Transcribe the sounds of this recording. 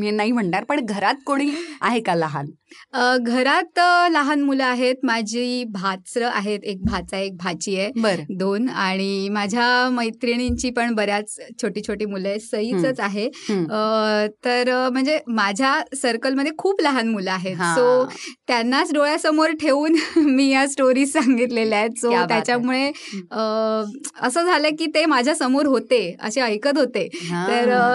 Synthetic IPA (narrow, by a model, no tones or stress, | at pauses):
menaɦim̤əɳʈaɾpəɳɡʱəɾat̪̚koɽ̃iːaɦekalaɦa̰nəɡʱəɾat̪laɦanmuləaɦet̪mad͡ʑʱiːbʱat̪sɾəʔaɦet̪ek̚bʱat͡saek̚bʱat͡ɕiːjebəɾəd̪onaɽ̃imad͡ʑʱjaməjt̪ɾiɽ̃iɲt͡ɕiːpəɳbəɾjat͡st͡ɕʰoʈiːt͡ɕʰoʈiːmulesəɦiːt͡sət͡saɦeət̪əɾm̤əɳd͡zemad͡ʑʱjasəɾkəlməd̪ʱːjekʰuːplaɦanmulaaɦet̪ɦsot̪janːat͡sɖoɭasəmoɾʈʰeuːnmiːjasʈoɾiːsːãŋɡit̪leljat̪̚sot̪jat͡ɕjamuɭeə | əsəːd͡zʱaləkiːt̪emad͡ʑʱjasəmoɾɦot̪eə̰ɕeəjkət̪ɦot̪et̪əɾ